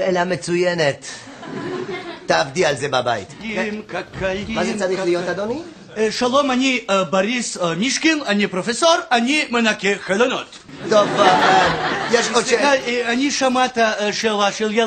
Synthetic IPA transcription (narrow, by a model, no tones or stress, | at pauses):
elamet͡sujenet̪ | aːvd̪ialzebaba̰jt̪mkakʰajmazesaʁilijotad̪oni | ʃɐlˠomɐnʲibɐɾismiʃkilɐnʲipɾofesorɐnʲimɨnakʲexɐlonot̪ | t̪ov | jeʃaɐnʲiʃɐmat̪ɐʃelˠaʃelˠje